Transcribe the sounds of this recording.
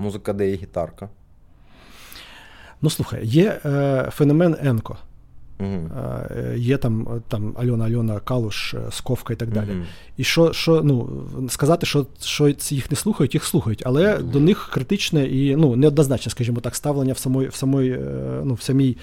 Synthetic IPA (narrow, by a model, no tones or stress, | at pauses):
muzɨkɐd̪ɛɦʲit̪ɑrkɐ | nuslˠuxɐ̰jjɛfɛnɔmɛnɛnkɔ̰m̩ɦ̩ | jɛt̪ɑmt̪ɑmɐ̰lʲɔnɐɐlʲɔnɐkɑlˠʊʂskɔfkɐit̪ɐɡ̚d̪ɑlʲɪ | iʃɔʃɔnuskɐzɑt̪ɪʃɔʃɔjixnɛslˠuxɐjʊtʲjixslˠuxɐjʊtʲɐlˠɛd̪ɔnɪxkɾɪt̪ɪt͡ʃnɛʔinunɛɔd̪nɐznɑt͡ʃnɐskɐʒʲimɔt̪ɑkst̪ɑʋlˠenʲːɐwsɐmɔjwsɐmɔjnuwsɐmʲij